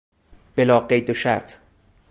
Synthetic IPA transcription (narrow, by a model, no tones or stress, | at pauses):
b̥elɒːɢejd̪oʃæ̰ɾt̪ʰ